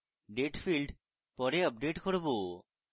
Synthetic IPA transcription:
ɖeʈfʰilɖ | pɔɾeɔp̚ɖeʈkoɾbo

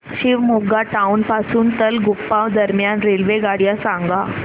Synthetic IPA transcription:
ɕiːʋmuɡaʈaunpasuːnt̪əlɡupːãʋd̪əɾmjanɾelʋeɡaɽjasãŋɡa

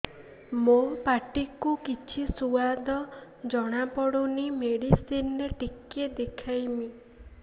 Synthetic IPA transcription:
mopaʈikukit͡ʃʰisuad̪ɔ | d͡ʒɔɽ̃apɔɽunimeɽisineʈikːed̪ekʰajmi

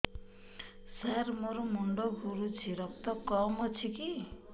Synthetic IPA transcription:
sarmoɾomuɳɖoɡʱuɾut͡sʰiɾʌp̚t̪ʌkɔmʌt͡sʰiki

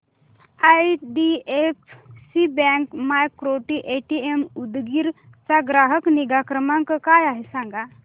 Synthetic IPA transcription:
aiɖiefsibɛ̃ŋkmajkːɾoʈiʔeʈiemud̪ɡiɾ | t͡saɡɾaɦəkniɡakɾəmãŋkkajaɦesãŋɡa

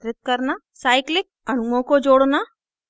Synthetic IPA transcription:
ɾɪt̪̚kəɾna | saːjklɪk̚ɐnumõkod͡ʒoːɽna

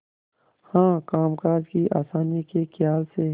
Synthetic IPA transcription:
hãːkaːmkaːzkiʔa̰ːsaːnikekʰjaːlse

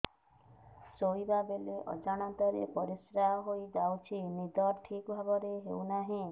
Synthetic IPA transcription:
sojbabeleʔɔ̰d͡ʒaɽ̃at̪aɾḛpɔɾisɾaɦɔɦojd͡ʒawt͡ʃʰinid̪ɔɾʈʰikbʱabɔɾeɦewnaɦĩ

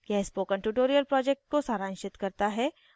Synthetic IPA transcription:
kaːspoːkə̃nɳʈuʈoːɾijəlpɾɔːd͡ʒek̚ʈ̚kosaːɾãːnʃɪt̪kɐɾt̪aɦɛː

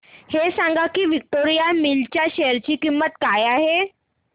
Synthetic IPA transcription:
hesãŋɡakiːʋik̚ʈoɾijamilt͡ɕjaɕejəɾt͡ɕiːkimːət̪kajaɦe

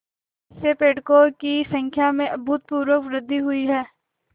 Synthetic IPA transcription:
sepeːʈkokisə̃ŋkʰjamẽʔɐbʱʊt̪̚puːɾwəkʋɾɪd̪ʱːiɦʊiɦɛː

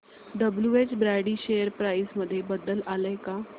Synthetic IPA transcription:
ɖəbljuet͡ɕbɾaɽiːɕejəɾpɾaisməd̪ʱːjebəd̪əlaləjka

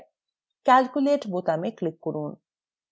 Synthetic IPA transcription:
kælkuleʈbot̪ameklikːoɾun

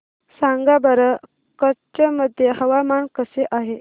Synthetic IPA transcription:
saŋɡabəɾə | kəɾt͡ɕəməd̪ʱjeɦəʋamaɳkəseʔaɦe

